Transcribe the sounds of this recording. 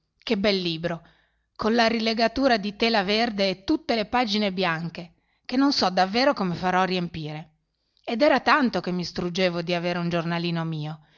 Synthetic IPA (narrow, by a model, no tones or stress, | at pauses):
kebːɛlːiːbɾo | konlaɾileɡat̪uːɾad̪it̪ɛːlaverd̪eːt̪ːut̪ːelepaːd͡ʒinebjaŋke | k̟enːonsɔd̪avːeːɾokomefaɾɔriempiːɾe | ed̪ɛːɾat̪ant̪okemːist̪ɾud͡ʒeːvod̪iaveːɾeund͡ʒornaliːnomiːo